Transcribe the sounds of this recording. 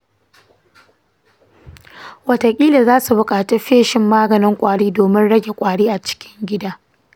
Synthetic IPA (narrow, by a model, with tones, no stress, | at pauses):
wɐ˨ta˨kʲʼiː˦la˨zaː˦su˨bʊ˨kʼaː˨te˦ɸeː˦ʃɪ˨mːaː˦ɡɐ˨nɪ˦ŋkʷʼaː˨ɽiː˦doː˨mɪ˦nɽɐ˦ɡʲe˨kʷʼaː˨ɽiː˦ʔa˨t͡ʃɪ̥˦kʲɪ˦ŋɡʲɪ˦daː˦